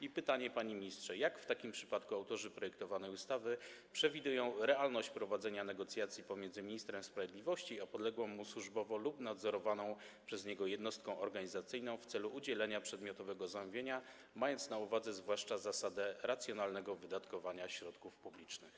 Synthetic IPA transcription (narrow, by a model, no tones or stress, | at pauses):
ipɘt̪aɲɛpaɲimʲɲistʂɛjakft̪akʲimpʂɘ̥pat̪kuawt̪ɔʐɘpɾɔjɛkt̪ɔvanɛjust̪avɘpʂɛvʲid̪ujɔ̃w̃ɾɛalnɔɕt͡ɕpɾɔvad̪zɛɲanɛɡɔt̪sʲjat̪sʲjipɔmʲjɛnzɘmʲiɲist̪ɾɛmspɾavʲjed̪lʲivɔɕt͡ɕiɔpɔd̪lɛɡwɔ̃w̃muswuʐbɔvɔlupnad̪zɔɾɔvanɔ̃w̃ | pʂɛzɲɛɡɔjɛd̪nɔst̪kɔ̃w̃ʔɔɾɡaɲizat̪sɘjnɔ̃w̃ft̪sɛluʔud͡ʑɛlɛɲapʂɛd̪mʲjɔt̪ɔvɛɡɔzamuvʲeɲa | majɔnt̪snauvad̪zɛzvwaʂt͡ʂazasad̪ɛɾat̪sʲjɔnalnɛɡɔvɘd̪at̪kɔvaɲaɕɾɔt̪kufpublʲit͡ʂnɘx